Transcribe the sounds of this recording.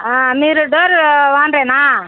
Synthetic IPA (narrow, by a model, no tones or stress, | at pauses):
aːmiːɾuɖoːɾʋaːnɾeːnaː